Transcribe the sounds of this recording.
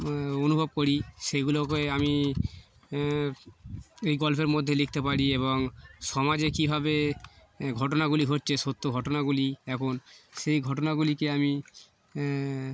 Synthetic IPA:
onubʱob̚koɾiʃeɡulokeami | ejɡɔlfeɾmod̪ʱːelik̚t̪epaɾieβoŋʃɔmad͡ʑekibʱabe | ɡʱɔʈonaɡuliɡʱoʈːt͡ɕʰeʃot̪ʰːoɡʱɔʈonaɡuliɛkʰonʃejɡʱɔʈonaɡulikeami

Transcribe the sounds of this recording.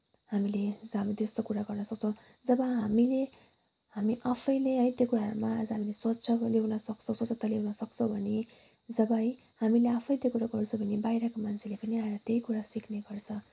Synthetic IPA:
hamiled͡zamit̪est̪okuɾaɡʌrnʌsʌk̚t͡sʰʌw̃ | d͡zʌbʌɦamile | hamiʔapʰʌjleʌjt̪jekuɾaɦʌɾumaːd͡zʌɦamileswʌtːt͡sʰʌlewnʌsʌkt͡sʰʌ̃sot͡sʌt̪alewnʌsʌkt͡sʰʌw̃bʱʌne | d͡zʌbʌj | hamileapʰʌjt̪ekuɾaɡʌrt͡sʰũbʱʌnebajɾʌkomant͡sʰelepʌniaeɾʌt̪ejkuɾasikʰneɡʌrt͡sʰʌ

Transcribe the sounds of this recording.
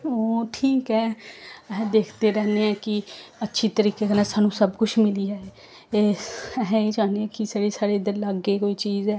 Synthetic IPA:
oːʈʰiːkɦɛːɛɦd̪eːkʰt̪eːɾɛːneːɛ̃ːkɪətːʃʰiːt̪əɾiːkeːkənɛːsaːnũːsəbkʊʃʰmɪliːaeː | eːɛɦeːd͡ʒãːnd̪eɛ̃ːkɪsaːɽesaːɽeɪd̪əɾləɡeːkoːiːt͡ʃiːzɛː

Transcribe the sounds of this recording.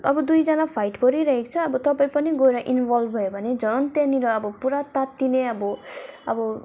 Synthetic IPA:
ʌbʌd̪ujd͡zʌnapʰajʈbʌɾiɾʌɦekt͡sʰʌːbʌt̪ʌpaĩpʌniɡojɾaʔinbʱʌlbbʱʌjobʱʌned͡zʌnt̪eniɾʌːbʌpuɾat̪at̪ːineʌbʌʌ̰bʌ

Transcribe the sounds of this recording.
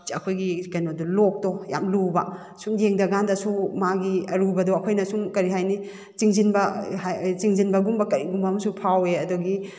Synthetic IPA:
ɐkʰojɡikɐjnodulok̚dɔja̰mlubɐ | suŋjeŋdɐɡandɐsumaɡiɐɾubɐdɔɐkʰojnɐsuŋkɐɾiɦajni | t͡ʃiŋzinbɐhat͡ʃiŋzinbɐɡumbɐkɐɾiɡumbɐːmɐsupʰaweɐdɔɡi

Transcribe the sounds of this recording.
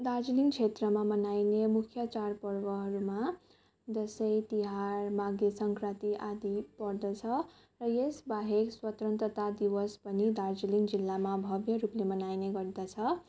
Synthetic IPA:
d̪ard͡ziliŋt͡sʰet̪rʌmamʌnajnemukʰjʌt͡sarpʌrwʌɦʌɾuma | d̪ʌsʌjt̪iɦarmaɡesʌŋkrat̪iʔad̪ipʌrd̪ʌt͡sʰʌ | rʌjesbaɦekswʌt̪rʌnt̪ʌt̪ad̪iwʌspʌnid̪ard͡ziliŋd͡zilːamabʱʌbjʌɾuplemʌnajneɡʌrd̪ʌt͡sʰʌ

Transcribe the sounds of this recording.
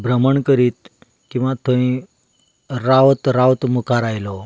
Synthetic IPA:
bʱɾəməɳkəɾiːt̪ | kĩw̃ʋat̪ʰoĩ | ɾaʋt̪ɾawt̪mukʰaɾajlɔ

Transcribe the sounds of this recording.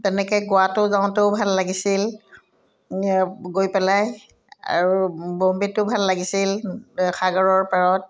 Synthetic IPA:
tɛnɛkɛjɡʊatʊzaʊ̃tʊbʱalːaɡisil | ɡojpɛlaj | a̰ɹubombitʊbʱalːaɡisilxʰaɡɔɹɔɹpaɹɔt̚

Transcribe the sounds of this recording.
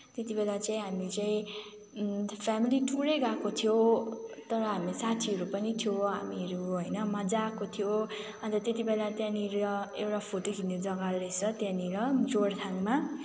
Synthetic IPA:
t̪et̪ibelat͡saĩɦamit͡saĩ | pʰamiliʈʰuɾʌjɡakot̪ʰijot̪ʌɾʌɦamisat̪ʰiʌɾupʌnit̪ʰijoɦamiʌɾuɦojnʌmʌd͡zakot̪ʰijo | ʌnd͡zʌt̪et̪ibelat̪jãniɾɾʌewʈapʰoʈokʰinded͡zʌɡalɾesʰʌt̪jãniɾʌd͡zoɽt̪ʰaŋma

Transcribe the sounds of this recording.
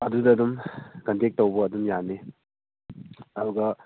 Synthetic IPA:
ɐdudɐdumkɐntek̚towbɐːdumjane | ɐduɡɐ

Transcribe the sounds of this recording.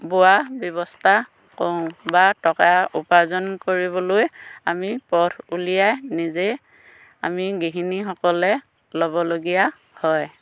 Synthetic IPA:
boabjɔβɔstʰa | koʊ̃batɔkaupazɔnkoɹiβɔlojamipɔtʰulijajnize | a̰miɡiɦinixɔkɔlɛ | lɔbɔloɡija | hɔj

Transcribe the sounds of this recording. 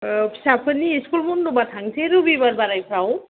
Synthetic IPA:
psapʰəniiskulmundubat̪ʰaŋsʰeɾubibaɾbaɾajpʰɾaw

